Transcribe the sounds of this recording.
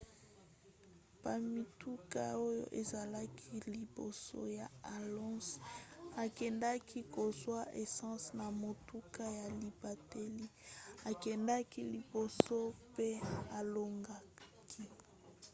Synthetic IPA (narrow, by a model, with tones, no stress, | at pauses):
pa˨mi˨tu˦ka̰˦o˦jo̰˦ʔe˨za˨la˦kʰi˦li˨bo̰˨so̰˦ja˨a˨lɔ̃˦sa˨kɛ˨nda˦kʰi˦ko˨zwa˦ʔe˨sɑ̃˦sna˨mo˨tu˦ka˦ja˨li˨ba˨te˦li˦a˨kɛ˨nda˦ki˦li˨bo˨so˦pe˦a˨lo˨ŋɡa˦kʰi˦